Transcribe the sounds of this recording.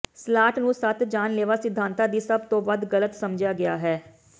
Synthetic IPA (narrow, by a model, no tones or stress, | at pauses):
slaːʈnũːsət̪ʰd͡ʒaːnleːʋaːsɪd̪ʱːaːnt̪aːd̪iːsəb̚t̪õːʋəd̪ɡələt̪səmd͡ʒaːɡɪjaːɦɛː